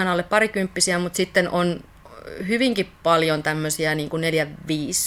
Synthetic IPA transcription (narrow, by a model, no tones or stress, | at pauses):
inɑolːeppɑɾikympːisiæmut̪sit̪ːenʔon | hyʋiŋkippɑljont̪æmːøsiæniːŋkunneljæʋiːs